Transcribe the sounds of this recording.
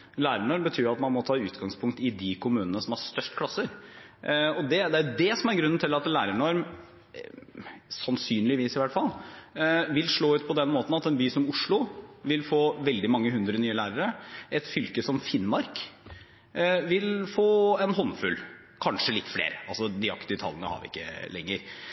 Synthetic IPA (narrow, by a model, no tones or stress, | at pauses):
læːɾəɳɔɾmbət̪ʰyːɾɑt̪mɑnmɔt̪ʰɑːʉːt̪ɡɑŋspʰʊŋk̚t̪ɪd̪ikʰʊmʉːnənəsɔmæst̪œʂʈkʰlɑsːəɾ | ɔd̪ɛd̪ɛæd̪ɛsɔmæɾɡɾʉnːn̩t̪ʰɪlɑt̪læːɾəɳɔɾm | sɑnsyːnlɪʋiːsɪʋæʈːfɑlː | ʋɪlʂɭoːʉːt̪̚pʰɔd̪ɛnmoːt̪n̩ɑt̪ɛnbyːsɔmʊʂɭʊʋɪlfoːʋɛld̪ɪmɑŋːəɦʉnd̪ɾənyːəlæːɾəɾəɛt̪fʏlkəsɔmfɪnmɑɾk | ʋɪlfoːɛnɦɔnfʉ̰l | kʰɑnʂəlɪt̪ːflḛːɾəɑlsɔd̪ɪɑ̰kt̪ɪʋət̪ʰɑ̰lːənə̰hɑ̰ʋɪ̰ɪ̰kːə̰lɛ̰ŋːəɾ